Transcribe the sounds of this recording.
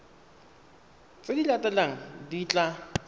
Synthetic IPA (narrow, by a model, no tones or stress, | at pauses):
t͡sɪdilatʼɛlaŋ̩dit͡ɬʼa